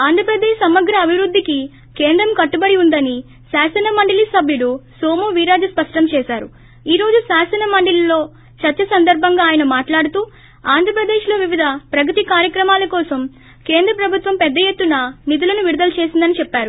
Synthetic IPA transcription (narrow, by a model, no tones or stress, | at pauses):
aːnd̪ʱɾɐpɾɐd̪eːʃsɐmɐɡɾɐːbʱiʋɾud̪ʱːiki | keːnd̪ɾɐmkɐʈːubɐɽiund̪ɐni | saːsɛnɐmɐɳɖɐlisɐbʱjuɽusoːmuːʋiːɾaːd͡ʒɐspɐʂʈɐmt͡ʃɛːsaːɾu | iːɾoːd͡ʒusaːsɐnɐmɐɳɖililo̞ː | t͡ʃɐɾt͡ʃːɐsɐnd̪ɐɾbʱɐŋɡaːjɐnɐmaːʈlaːɽut̪uː | aːnd̪ʱɾɐpɾɐd̪eːʃlo̞ːʋiʋid̪ʱɐpɾɐkɐt̪ikaːɾjɐkɾɐmaːlɐkɔːsɐm | ke̞ːnd̪ɾɐpɾɐbʱut̪ʋɐmpɛd̪ːɐjet̪ːunɐnit̪̬ulɐnuʋiɾud̪ɐlɐt͡ʃeːsind̪ɐnit͡ʃɛpːaːɾu